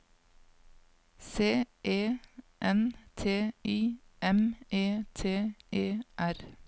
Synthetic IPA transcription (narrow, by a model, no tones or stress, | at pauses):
seːʔeːʔɛnt̪ʰeːiːʔɛmʔeːt̪ʰeːʔeːʔæɾ